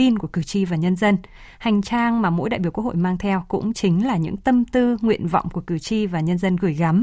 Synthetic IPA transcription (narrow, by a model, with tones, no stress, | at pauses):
i˧nku˧˩əkɨ˧˩t͡ɕi˧vaː˨˩ɲə˧nzə˧n | ha˨˩jŋ̟t͡ɕaː˧ŋmaː˨˩mo̰˧˥jɗa̰ː˧˨ɓi˧˩wk̚ho̰˧˨jmaː˧ŋt̪ʰɛ˧wkʊ̰˧˥ŋ͡mt͡ɕï˨˦ŋ̟laː˨˩ɲɨ̰˧˥ŋt̪ə˧mt̪ɨ˧ŋwḭ˧˨ənvɔ̰˧˨wŋ͡mku˧˩əkɨ˨˩t͡ɕi˧vaː˨˩ɲə˧nzə˧nɣɨ˨˧˩əjɣa˨˦m